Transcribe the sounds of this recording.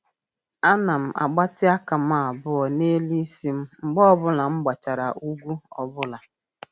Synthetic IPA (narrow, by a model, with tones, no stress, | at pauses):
a˦na˨m̩˨ʔa̰˨ɡ͡ba˦tɪ˦a˦ka˨m̩a˦˨a˨bʊ˦ɔ˨ne˦li˦i˦si˦m̩˦ŋ͡m̩˨ɡ͡bɔ˦bʊ˦la˨ŋ͡m̩˦ɡ͡ba˨t͡ʃa˨ɾa˨ʔu˦ɡʷu˦ɔ̰˨bʊ˦la˨